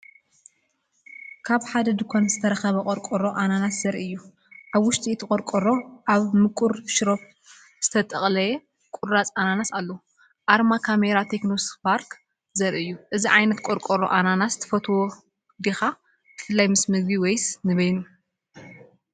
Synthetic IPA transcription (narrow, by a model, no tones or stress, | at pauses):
kʰaβħad̪ɐd̪ukʷʰanzɨt̪ʰɐɾɐxɐβɐkʼɔɾkʼoɾo̞ʔananat̪zɐɾiɨjːu | ʔaβwʊʃt̪ʼit̪ʰɨkʼɔɾkʼoɾo̞ʔaβmɨkʼuɾʃɾof̚ | z̥ɨt̪ʰɐt̪ʼɐχʼlɐe | kʼʊɾɾat͡sʼananasalːo | ʔaɾmakʰameɾat̪ʰeknosi̥kpʰaɾk | zɐɾʔɨjːuʔɨziʕajnɐt̪kʷʼoɾkʼoɾo̰ʔananast̪ʰɐ̥fɐt̪ʰwo | d̪ixa | b̥ɨfɨlːajmɨsmɨɡ̚biwejsnɨβɐjnu